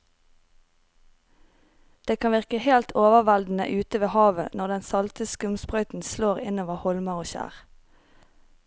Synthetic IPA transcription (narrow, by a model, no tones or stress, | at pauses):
d̪̥eːkʰɑnʋɪʁkəheːlt̪ʰoːʋəʋɛld̪n̩ə̰ʔʉːt̪əʋeːhɑːʋə̰nɔʁd̪ɛnsɑlt̪əskʉmspʁœʏt̪n̩sloːʁɪnoːʋəhɔlmɑʁoːʃæ̰ːʁ